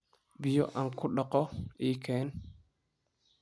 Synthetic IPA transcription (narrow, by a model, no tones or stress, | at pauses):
bijoʔaŋkuɗakɔikɛn